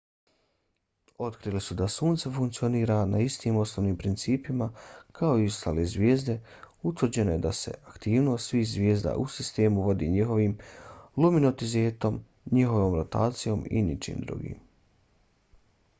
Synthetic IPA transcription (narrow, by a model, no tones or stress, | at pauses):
o̞t̪kɾiːlisud̪asuːnt̪sefuŋkt̪sioniːɾanaist̪iːmo̞snoːʋniːmpɾint̪siːpimakʰao̞iost̪aːleːzʋjeːzd̪e | ut̪ʋɾd͡ʑe̞no̞jed̪ase̞̰ʔakt̪iːʋnosʋiːxzʋjeːzd̪a̰ʔusist̪e̞ːmuʋo̞d̪iːɲiɦo̞ʋiːmluminot̪izeːt̪o̞m | ɲixo̞ʋoːmɾot̪aːt̪sijo̞mḭnit͡ʃḭːmd̪ɾṵɡḭːm